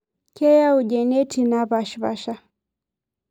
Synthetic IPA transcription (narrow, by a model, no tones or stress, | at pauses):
kɛjauʄɛnɛtʰinaβaʃβa̰ʃa